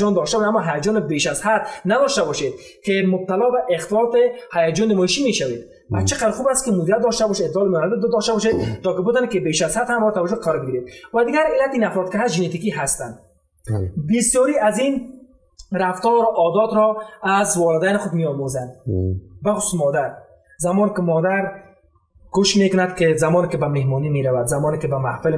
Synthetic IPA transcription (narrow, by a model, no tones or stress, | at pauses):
ɔnd̪ɔʃt̪abɔʃamɔɦajad͡ʒɔnɪbeʃazhad̪nad̪ɔʃt̪abɔʃed̪̚ | kʰɪmʊb̚t̪alɔbaʔɪxt̪ɪlɔt̪ɪhajad͡ʒɔnːɪmɔiʃimeʃawed̪ | bat͡ʃɪqad̪ɾxubast̪̚kɪmʊd̪iɾat̪̚d̪ɔʃt̪abɔʃet̪lɔlɪmnat̪id̪d̪ɔʃt̪abɔʃed̪t̪ːɔkɪbʊt̪ɔnekɪbeʃazhad̪hamɔt̪awad͡ʒʊqʰaɾɔɾbɪɡiɾed̪̚wad̪ɪɡaɾɪlːat̪inafɾɔd̪kɪɦasʒɪnet̪ikiɦast̪and̪ | bɪsjɔɾiazin | ɾaft̪ɔɾʊʔɔd̪ɔt̪ɾɔazwɔlɪd̪anɪxʊd̪mijɔmozand̪baxʊ̥su̥smɔd̪aɾ | zamɔnɪkɪmɔd̪aɾ | ɡ̥ʊʃmekʊnad̪kɪzamɔnɪkɪbamehmɔnimeɾawad̪zamɔnɪkɪbamahfɪl